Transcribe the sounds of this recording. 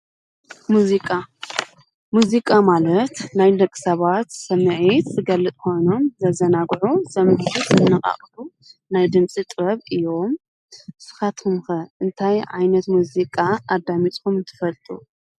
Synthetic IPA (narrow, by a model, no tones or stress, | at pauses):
muzikʼa | muzikʼamalɐt̪najlɐkʼːɨ̥sɐβat̪sɐmɨʕit̪zɨɡɐlːɨt̪ʼkʰo̞jno̞mzɐzɐnaɡʕusɐmħit̪ɨnːɨkʼa̰χʼu | najd̪ɨmt͡sʼit̪ʼβɐβɨjo̞m | sɨ̥xat̪kʰɨmxɐʔɨnt̪ʰajʕa̰jnɐt̪muzikʼaad̪amit̪ʼkʰumɨnt̪ʰɨ̥fɐlt̪ʼṵ